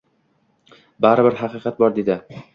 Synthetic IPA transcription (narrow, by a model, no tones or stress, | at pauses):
baɾɪbɪɾɦɑqɨqɑt̪̚bɒɾd̪ed̪ɪ